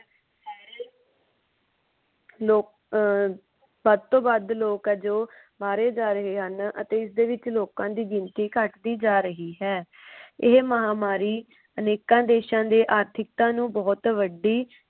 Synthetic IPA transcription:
ɛːɾ | loːk | bəd̪̚t̪õːbəd̪loːkɛːd͡ʒoː | baːɾeːd͡ʒaːɾəɦeːɦənə̰t̪eːɪsd̪eːʋɪt͡ʃloːkãːd̪iːd͡ʒɪnt̪iːkəʈd̪iːd͡ʒaːɾəɦiːɦɛː | ɪɦməɦaːmaːɾiː | əneːkãːd̪eːʃãːd̪eːʔaːɾt̪ʰɪk̚t̪ãːnũːbɔːt̪ʋəɖiː

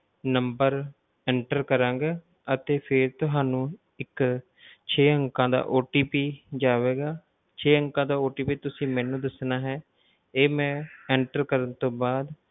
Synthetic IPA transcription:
nəmbəɾ | ɛːɳʈəɾkəɾãːɡaː | ət̪eːpʰɪɾt̪ʊɦaːnũː | ɪk | t͡ʃʰeːəŋkãːd̪a̰ːʔoːʈiːpiːd͡ʒaːʋeːɡaː | t͡ʃʰeːəŋkãːd̪aːoːʈiːpiːt̪ʊsĩːmɛːnũːd̪əsnaːɦɛː | eːmɛ̃ːɛːɳʈəɾkəɾənt̪õːbaːd̪

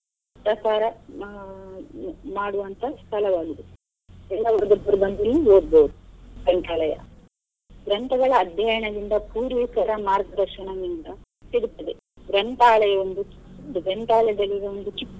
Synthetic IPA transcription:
pɾɐkaːɾɐ | maːɽuʋɐnt̪ʰɐst̪ʰɐlɐʋaːɡid̪u | ɛlːɐʋɐɾɡɐb̪ɐɾubɐnd̪ulːiʋoːɾbɐwud̪uɡɾɐɳʈ̪aːɭɐjɐ̰ | ɡɾɐnt̪ɐɡɐɭɐːd̪ʱjɐjɐɳɐd̪ind̪ɐpuːɾʋiːkɐɾɐmaːɾɡɐd̪ɐɾʃɐɳɐʋind̪ɐ | t̪iɽut̪ːɐd̪e | ɡɾɐnt̪aːɭɐjɐond̪ut͡ʃ̪uɡɾɐnt̪aːɭɐjɐd̪ɐlːiɡeond̪ut͡ʃikː

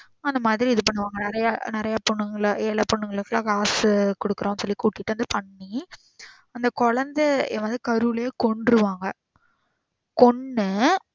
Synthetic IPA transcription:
ɐnd̪ɐmaːðɪɾiɪðɯpɐɳːɯʋaːŋɡɐnɪɾɐjanɪɾɐjapɔɳːɯŋɡɐɭɛɭɐpɔɳːɯŋɡɐɭɯkːɐɭaɡaːskɔɽɯkːɯɾõːnːɯsɔlːikuːʈːɪʈːɯʋɐnd̪ɯpɐɳːi | ɐnd̪ɐkɔɻɐnd̪ɛɛʋɐnd̪ɯkɐɾɯɭeːkɔɳɖɾɯʋaːŋɡɐ | kɔɳːɯ

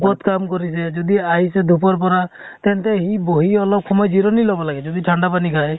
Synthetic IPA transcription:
pɔt̪kamkɔɾised͡ʒɔd̪iaɦjsed̪ʱupɔɾp̬ɔɾa | t̪ɛnt̪eɦiboɦiɔlɔb̚kʰɔmɔjd͡ʒiɾɔnilɔbɔlaɡɛd͡ʒɔd̪iʈʰaɳɖapanikʰaj

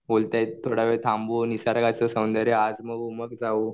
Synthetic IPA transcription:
bolt̪ajt̪ʰːoɽaʋet̪ʰãmbunisaɾɡat͡səsəmnd̪əɾjəad͡zməɡuməɡd͡zau

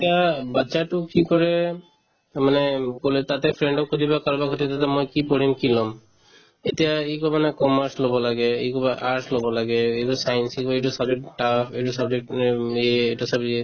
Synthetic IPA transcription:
t̪ijabatːʃaʈukikɔɾe | manekolet̪at̪efʰɾeɳɖɔkod̪ibakaɾbakʰot̪it̪at̪amojkipɔɾimkilɔm | et̪iaejkɔmanekɔmaɾslobɔlaɡeekɔbaʔaɾslobɔlaɡeejʈɔsajnsikbaeʈusabd͡ʑek̚ʈʈafʰeʈusabd͡ʒek̚ʈeeʈasabe

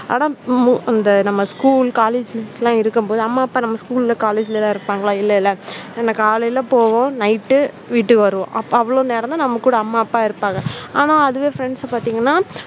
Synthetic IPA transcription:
a̰ːnãːɐnd̪ɐnɐmːɐskuːlkaːleːd͡ʒslãːɪɾɯkːɯmpoːðɯɐmːaːɐpːaːnɐmːɐskuːlɪlɐkaːleːd͡ʒɪlɐlãːɪɾɯpːaːŋɡɐɭãːɪlːɐɪlːɐɛnːɐkːaːlɐɪlɐpoːʋõnɐɪʈːɯ | ʋiːʈːɯʋɐɾɯʋõʔɐpːɐʋɐɭoːneːɾɐnd̪aːnɐmːɐkːuːɽɐɐmːaːɐpːaːɪɾɯpːãːŋɡɐaːnãːɐðɯʋeːfɾɛɳɖspaːɾt̪iːŋɡɐnːaː

